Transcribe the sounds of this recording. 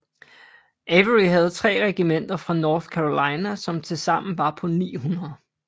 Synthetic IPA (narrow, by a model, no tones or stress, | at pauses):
ʔeʋəʁiɦæð̞̩ˠt͡sʰʁɛ̰ːʁɛɡ̥imen̰d̥ɐfʁɑ̈nɒːθkʰæʁo̝lɑ̈ɪnæsɒ̽mt͡sʰe̝lsɑ̈m̰n̩ʋɑ̈pʰɒ̽nḭːhunɐð̩ˠ